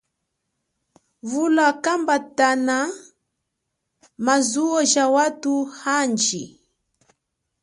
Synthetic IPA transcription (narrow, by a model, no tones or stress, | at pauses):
vulakambatana | mazuɔʒawatuhand͡ʒi